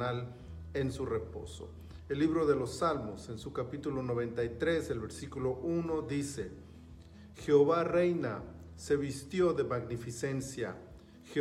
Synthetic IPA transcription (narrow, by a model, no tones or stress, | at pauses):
al | ensure̞po̞̰so̰ | elːiβɾo̞ðe̞lo̞sːalmo̞se̞nsukapit̪ulo̞noβ̞ẽ̞nt̪ajt̪ɾe̞zelβe̞ɾsikulo̞ʔuno̞ðise̞ | xeoβarejna | se̞βist̪jo̞ðe̞maɣnifise̞nsja̰ | xe